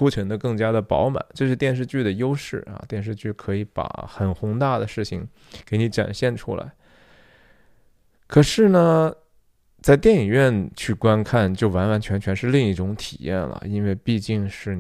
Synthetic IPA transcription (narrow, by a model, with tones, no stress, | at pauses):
u˥t͡ɕʰɥə˧˥nd̪ə˧kɤ˥˩ŋt͡ɕja˥d̪ə˨pɑ̰˧˥ʊma̰˨˩˦nt͡ɕjo˥˧ʊʂɻ̩˥˧t̪jɛ˥˧nʂ̬ɻ̩˥˧t͡ɕy˥˩d̪ə˩jo˥ʊʂɻ̩˥˩ɐ̰˨˧t̪jɛ˥˧nʂ̬ɻ̩˥˧t͡ɕy˥˩kʰɤ˧˥i˧˥pa̰˨˩xə˨˩nxʊ˧˥ŋt̪a˥˩d̪ə˩ʂɻ̩˥˩t͡ɕʰi˩ŋ | ke˧˥ɪni˧˥ʈ͡ʂa̰˨˩nɕjɛ˥˩nʈ͡ʂʰṵ˥la̰˧˥ɪ | kʰɤ˨˩ʂɻ̩˥˩nə˩ | t͡sa˥˧ɪt̪jɛ˥˩ni˨˩ŋɥɛ˥˩nt͡ɕʰy˥˩kwa˥nkʰa˥˩nt͡ɕjo˥˩ʊwa˧˥nwa˧˥nt͡ɕʰɥɛ˧˥nt͡ɕʰɥɛ˧˥nʂɻ̩˥˧li˥˧ŋi˥˩ʈ͡ʂʊ˧˥ŋt̪ʰi̥̰˨˩jɛ̰˥˩nlə̰˩i˥nwe˥˧ɪpi˥˧t͡ɕi˥˧ŋʂɻ̩˥˩